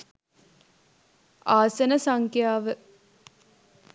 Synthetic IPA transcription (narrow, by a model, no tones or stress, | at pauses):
aːsɐnəsaŋkjaːʋə